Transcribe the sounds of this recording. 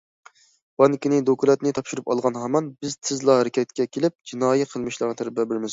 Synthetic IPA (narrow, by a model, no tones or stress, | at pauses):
b̥ɑnkʲinɪd̪okulˠɛt̪nɪt̪ʰɑpʃyɾupɑlˠʁɑnɦɑmɑnbɪzt̪ʰɪzlˠɑɦæɾɪkʲʰɛt̪̚kʲɛkʲʰelɪp̚d͡ʒinɑːjiqʰəlˠmɨʃlˠɑɾʁɑt̪ʰæɾbɛbɪɾmɪz